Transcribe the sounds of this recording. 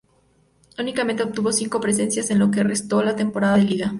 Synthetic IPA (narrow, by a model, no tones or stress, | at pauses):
unikament̪e̞op̚t̪uβo̞siŋko̞pɾes̬e̞nsjase̞nlo̞k̬erest̪olat̪e̞mpo̞ɾaðaðeliɣa